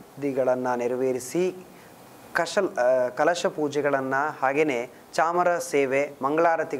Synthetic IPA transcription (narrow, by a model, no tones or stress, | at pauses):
d̪iɡɐɭɐnːɐniɾɐʋeːɾisi | kɐɐkɐlɐʃɐpuːd͡ʒɛɡɐɭɐnːɐhaːɡeneː | t͡ʃaːmɐɾɐseːʋemɐŋɡɐɭaːɾɐt̪i